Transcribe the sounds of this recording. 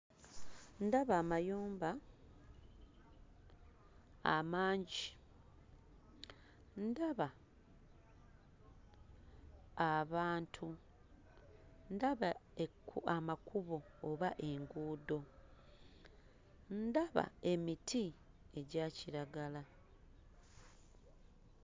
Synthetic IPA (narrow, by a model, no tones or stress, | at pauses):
ndaβaːmajoːmba | a̰maːɲɟi | ndaβa | βaːntʰu | ndaβaeuamakuβo̞ːβaʔe̞ŋɡuːdo̞ | ndaβa̰e̞miti | e̞ɟaːciɾaɡala